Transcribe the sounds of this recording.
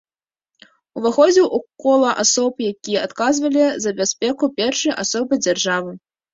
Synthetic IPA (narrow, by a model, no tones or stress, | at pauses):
uvaxɔd͡zʲiwʔukɔlˠɐʔasɔpjakʲijɐat̪kazvɐlʲizɐbʲasʲpʲɛkupʲɛrʂɨjʔasɔbɨd͡zʲarʐavɨ